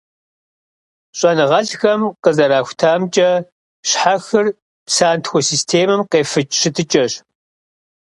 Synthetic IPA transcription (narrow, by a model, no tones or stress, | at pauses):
ɕʼɐnɨʁɐɕxɐmqəzɐɾaːxʷtʰaːmt͡ʃʼɐ | ɕħaxɨr | psaːntʰxʷɔsiːstʰeːmɐmqeːfɨt͡ʃʼɕɨtʰɨt͡ʃʼɐɕ